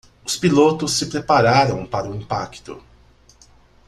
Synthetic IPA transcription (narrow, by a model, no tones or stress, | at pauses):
ʊspilot̪ʊsːɪpɾepaɾaɾɐ̃w̃paɾɐʊĩmpa̰kt̪ʊ̰